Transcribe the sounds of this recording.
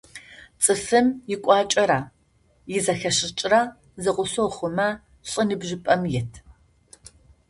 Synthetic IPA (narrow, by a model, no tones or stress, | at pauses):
t͡sʼɨfɨmjɪkʷʼɑːt͡ʃʼɐɾaː | jɪzɐxɐɕʼɪt͡ʃʼra | zɨqʷʊsoχʷʊmɐ | ɕʼɨnɨbʒɪpʼɐmjɛtʰ